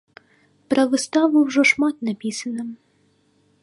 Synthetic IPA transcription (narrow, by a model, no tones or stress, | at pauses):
pɾɐʋɪst̪ɑʋɨwʒɔʃmɑt̪nɐpʲisɐnɐm